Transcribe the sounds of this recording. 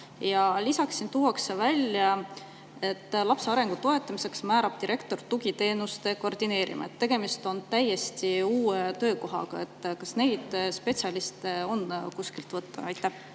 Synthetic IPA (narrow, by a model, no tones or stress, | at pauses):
jɑlisɑksint̪uwɑksevælʲjɑ | e̞t̪ːˑlɑpseɑɾe̞ŋɡ̥ut̪o̞e̞t̪ːˑɑmise̞ksmæːɾɑb̥̚t̪iɾʔe̞kt̪o̞rt̪uɡ̥it̪e̞ːnust̪e̞ko̞rd̪̥ine̞ːɾʔḭmɑ̰et̪ːe̞ɡ̥e̞mist̪o̞nt̪æje̞st̪iuːet̪ø̞ːko̞ɦɑ̰ɡ̥ɑe̞t̪ːkɑsne̞jd̪̥spe̞tsjɑlist̪eo̞nkuskilt̪vɤt̪ːɑɑjt̪ːˑæh